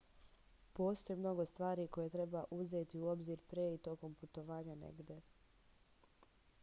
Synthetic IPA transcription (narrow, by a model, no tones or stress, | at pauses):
po̞ːst̪ojemno̞ɡo̞st̪ʋaːɾiko̞jet̪ɾe̞baʔuzet̪iuo̞bziɾpɾeit̪o̞ko̞mput̪o̞ʋaːɲanḛɡd̪e